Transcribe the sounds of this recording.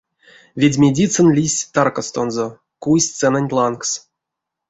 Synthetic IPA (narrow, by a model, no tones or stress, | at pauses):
vʲedʲmʲedʲit̪sɨnlʲisʲt̪arkast̪onzo | kujsʲt̪t͡s̪ɛnanʲlˠanks